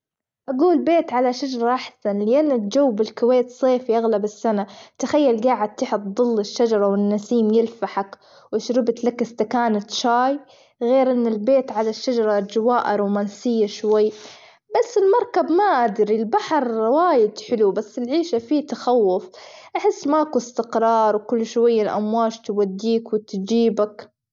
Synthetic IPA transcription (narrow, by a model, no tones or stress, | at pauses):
ʔaɡuːlbeːt̪ʕalaʃad͡ʒɑɾˤɑʔaħsanlɪʔanːɪld͡ʒawːbɪlkʊweːt̪sˤeːfiʔaɣlabɪsːanat̪axajːalɡaːʕɪd̪̚t̪ɪħʊt̪d̪ˤɨlːɪʃːad͡ʒɑɾˤɑwɪnːasiːmjɪlfaħak | wɪʃɾɪbt̪lakɪst̪akaːnat̪ʃaːj | ɣeːɾʔɪnːɪlbeːt̪ʕalaʃːad͡ʒɑɾˤɑd͡ʒawaːʔaɾˤuːmaːnsɪjːaʃwajː | basːɪlmɑɾˤkabmaʔad̪ɾilbaħɾˤwaːjɪd̪ħɪlubasːɪlʕiːʃafiːt̪axawːʊfʔaħɪsːmaʔkuɪst̪ɪqɾˤɑːɾˤwkʊlːʃwajːalʔa̰mwaːʃt̪wad̪ːiːkwɪt̪d͡ʒiːbak